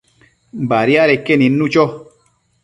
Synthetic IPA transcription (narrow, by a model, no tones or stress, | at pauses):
mbaɾiaɾekeninːut͡ʃɔ